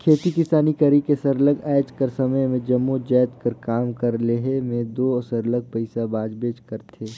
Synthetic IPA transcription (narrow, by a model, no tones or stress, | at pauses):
kʰeːt̪ikɪsaːnikɐɾikesɐɾləɡɛːd͡ʒkəɾsɐməjmẽd͡ʒɐmːud͡ʒɛːt̪kəɾkaːmkɐɾleɦemẽd̪oːsəɾləɡ̚pɐɪsabaːd͡ʒbeːt͡ʃkɐɾt̪ʰeː